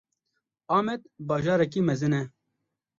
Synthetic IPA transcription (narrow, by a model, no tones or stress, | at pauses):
ɑːmɛd̪̚bɑːʒɑːɾɛk̬imɛzɨnɛ